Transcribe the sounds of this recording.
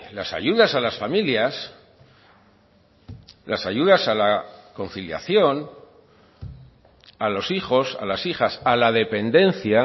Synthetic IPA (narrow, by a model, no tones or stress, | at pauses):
la̰sa̰ʝuðasalasfamiljas | lasaʝuðasalako̞n̟θilja̰θjo̞n | alo̞sixo̞sa̰lasixasalaðe̞pe̞nd̪e̞nθja